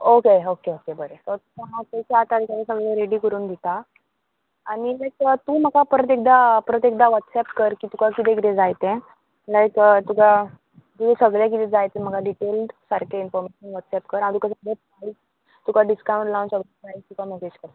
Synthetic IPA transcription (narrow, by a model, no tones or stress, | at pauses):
okeokeokebəɾet̪ɔt̪uaɦat̪et͡ɕat̪ad̪ikaɾesəɡɭjaɾeɽiːkəɾuːnd̪ʱit̪a | aɽ̃ilajkət̪ũːm̤əɡapəɾət̪ek̚d̪apəɾət̪̬ek̚d̪aʋat̪sɛpkəɾkiːt̪ukʰakit̪̬ekt̪ẽd͡zajt̪ɛ̃ | lajkət̪uka | t̪uɡesəɡɭjak̬it̪ɛ̃d͡zajt̪ɛ̃m̤əɡaɖiʈelɖsaɾkʰainfɔɾmeɕənʋat̪sɛpkəɾãɽ̃t̪ukas̬əɡɭapais | t̪ukʰaɖiskãw̃ɳʈlawnsəɡlapait̪ukaməsed͡ʑkəɾt̪a